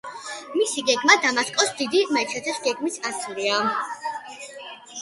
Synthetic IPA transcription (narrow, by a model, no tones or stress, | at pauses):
misiɡɛɡmad̪amaskʼɔsd̪id̪imait̪ʰɛt̪ʰɛsɡ̥ɛɡmisat̪sʰuɾia